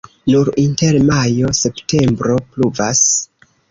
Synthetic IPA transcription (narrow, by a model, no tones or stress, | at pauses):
nuɾinte̞ɾmajo̞se̞pte̞mbɾo̞pluvas